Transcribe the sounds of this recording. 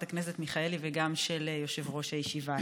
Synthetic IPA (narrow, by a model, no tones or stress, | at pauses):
t̪aknese̞t̪miχaeliveɡamʃeljo̞ʃe̞vʁo̞ʃajeʃiva